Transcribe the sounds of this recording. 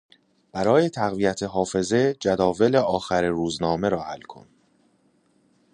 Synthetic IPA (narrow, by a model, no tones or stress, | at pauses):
b̥æɾɒːje̞t̪ʰæɣvijæt̪ʰeɦɒːfe̞ze̞d͡ʒæd̪ɒːve̞leɒːxæɾeɾuːznɒːme̞ɾɒːhælkʰo̰n